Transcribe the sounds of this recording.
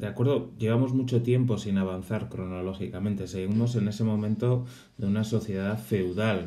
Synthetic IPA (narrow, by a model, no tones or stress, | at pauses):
d̪̥eakwe̞ɾð̞oʝe̞β̞amo̞zmut͡ʃo̞t̪je̞mpo̞sinaβ̞an̟θaɾkɾo̞no̞lo̞xikament̪e̞seɣimo̞s̬e̞ne̞se̞mõ̞mẽ̞nt̪o̞ | ðeunaso̞θje̞ðafe̞wðal